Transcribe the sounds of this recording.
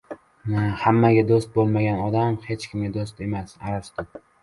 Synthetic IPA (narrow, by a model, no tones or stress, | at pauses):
hamːaɡʲad̪ost̪̚bolˠmaɡʲanɒd̪amhe̞t͡ʃkʲʰɪmɡʲad̪ost̪e̞masaɾast̪ɪ